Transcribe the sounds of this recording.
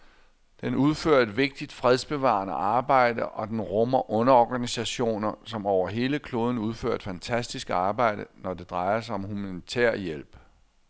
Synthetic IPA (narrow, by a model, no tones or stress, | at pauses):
d̥enuð̞ˠføɐ̰edʋe̝ɡ̥̚d̥id̥fʁɛð̞ˠsb̥e̝ʋɑ̰̈nəʔɑ̈ːb̥ɑ̈ɪ̰d̥əʔɒ̽d̥enʁɔmɐʔɔ̽nɐɒɡ̥ænisæɕo̝̰ːnɐsɒ̽mɒʊɐɦe̝ːləkʰlo̝ːðˠn̩uð̞ˠfø̰ɐ̰d̥fænt͡sʰæsd̥isɡ̥ɑ̈ːb̥ɑ̈ɪ̰d̥ənɒde̝d̥ʁɑ̈ɪɐsɑɒ̽mhumænit͡sʰeɐ̰jel̰b̥